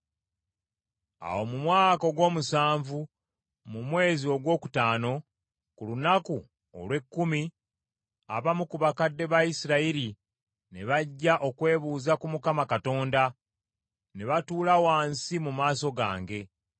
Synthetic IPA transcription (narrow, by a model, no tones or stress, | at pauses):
a̰wo̞mumwaːko̞ɡwo̞ːmusaːɱvu | mumwe̞ːzio̞ɡwo̞ːku̥taːno̞ | kulunaku | o̰lwe̞kːumi | a̰βamukuβakadːe̞βajisiɾaiɾi | neβaɟːaʔo̞kwe̞ːβuːzakumukamakato̞ːnda | ne̞βatuːlawaːnsimumaːso̞ɡa̰ːŋɡe̞